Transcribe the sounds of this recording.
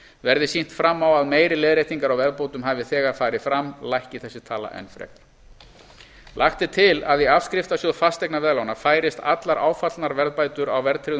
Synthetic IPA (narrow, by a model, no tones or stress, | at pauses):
vɛɾðɪsin̥t̪fɾamːawaðmeːjɾɪleːðɾeːjt̪iŋkaɾawvɛɾðpoːwt̪ʏmɦaːvɪθɛːɣaɾ̥faːɾɪfɾamːlajhcɪθɛsːɪt̪ʰaːla̰ʔɛ̰nfɾɛ̰k̚n | laxt̪ɪt̪ʰɪlaðiav̥skɾɪft̪asjɔðfast̪ɛjknavɛːðlaːwnafaːjɾɪst̪a̰t̪laɾʔa̰ːwfat̪lnaɾvɛɾðpaːjt̪ʏɾawvɛɾðt̪ʰɾɪɣ